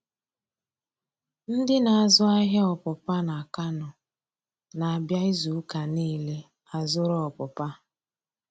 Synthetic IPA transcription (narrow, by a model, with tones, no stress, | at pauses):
n̩˦dɪ˦na˨a˨zʊ˦a˦ɦe˦ɔ˨pʊ˨pa˦na˨ka˦nʊ˨ | na˨a˨bja˦ɪ˦zu˨˦ka˨niː˦le˦ | a˨zʊ˦ɾɔ˦ɔ˨pʊ˨pa˦